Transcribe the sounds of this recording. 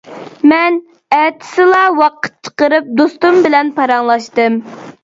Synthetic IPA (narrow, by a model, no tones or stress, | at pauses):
mɛn | ɛt̪ʰɪ̥sɪlˠɑwɑqə̥t̪̚t͡ʃʰə̥qəɾɨp̚d̪ost̪umbɪlɛnpʰɑɾɑŋlˠɑʃt̪ɨm